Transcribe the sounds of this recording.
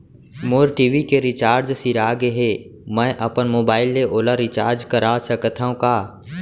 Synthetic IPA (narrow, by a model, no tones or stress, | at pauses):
moːɾʈiːʋikeɾit͡ʃaːɾd͡ʒsiɾaːɡeɦemɛ̃ʔɐpənmoːbaːɪlːeʔoːlaɾit͡ʃaːɾd͡ʒkəɾaːsəkət̪ʰaõkaː